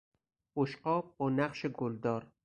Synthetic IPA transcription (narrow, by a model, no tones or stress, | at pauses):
oʃqɒːb̚bɒːnæqʃeɡold̪ɒːɾ